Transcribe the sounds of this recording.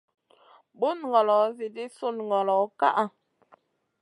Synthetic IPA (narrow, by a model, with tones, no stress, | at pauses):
bu˦n˨ɡɔ˨lɔ˨˦zi˨di˦su˦˨n˨ŋɡɔ˨lɔ˨˦ka˦ʔa˦˨